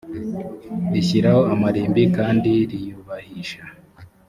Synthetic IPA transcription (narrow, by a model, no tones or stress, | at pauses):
ɾiçiɾahoamaɾiːmbikaːndiɾijuβahiʃa